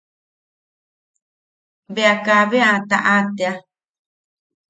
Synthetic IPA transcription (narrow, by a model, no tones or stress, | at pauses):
βeakaβeat̪a̰ʔat̪ea